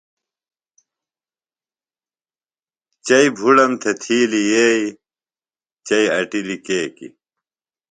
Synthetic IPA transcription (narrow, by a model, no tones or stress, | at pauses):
t͡ɕɐibʱuɖɐmt̪ʰet̪ʰiːlijeːi | t͡ɕɐiɐʈilikeːkḭ